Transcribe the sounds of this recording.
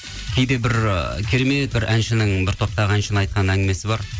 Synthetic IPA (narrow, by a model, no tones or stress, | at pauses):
kʲʰe̞jd̪e̞bɪɾkʲʰeɾe̞me̞t̪̚bɪɾʔænʃɪnɪŋbɪɾt̪ʰo̞p̚t̪ɑʁəænʃɪnɪɑjt̪̚qɑnæŋɡʲɪme̞sɪbɑɾ